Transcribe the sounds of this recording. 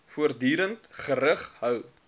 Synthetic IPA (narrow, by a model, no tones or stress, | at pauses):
fuərdyːɾəntχəɾəχhœw